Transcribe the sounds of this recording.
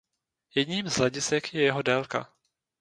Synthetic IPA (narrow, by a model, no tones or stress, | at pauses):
jɛdɲiːmzɦlɛɟɪsɛkjɛjɛɦo̞dɛlka̰